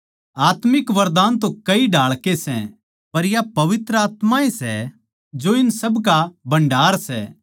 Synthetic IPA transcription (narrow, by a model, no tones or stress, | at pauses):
aːt̪mɪkʋɐɾd̪aːnt̪õkɐiɖʱaːɭkesɛ̰̃ | pɐɾjapɐʋɪt̪ɾəaːt̪mãesɛ̰ | d͡ʒoɪnsɐbkabɐ̃ɳɖʱaːɾsɛ̰ː